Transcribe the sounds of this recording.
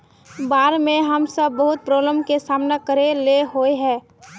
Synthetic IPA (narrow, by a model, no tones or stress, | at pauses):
baːɾmẽɦəmsəbːəɦʊt̪̚pɾobləmkesaːmnekəɾeleɦoeɦɛ̃ː